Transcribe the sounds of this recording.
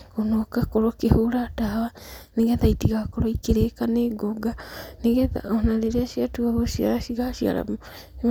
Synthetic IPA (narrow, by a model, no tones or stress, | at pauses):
onokakoɾokehuɾadawaneɡet̪ajtiɣakoɾoikeɾekaneɡoɡaneɡet̪a̰onaɾeɾeasiatuaβosia̰ɾasiɡasia̰ɾa̰mo